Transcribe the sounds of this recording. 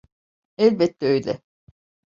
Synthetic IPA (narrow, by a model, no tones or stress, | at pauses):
ɛlʲbɛt̪ːɛøjlʲɛ